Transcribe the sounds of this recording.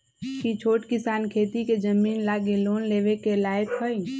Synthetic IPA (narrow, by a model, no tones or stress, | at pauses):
kit͡ʃʰoːʈkɪsaːnkʰeːt̪iked͡ʒəmiːnlaːɡeloːnleːʋekelaːjkhoj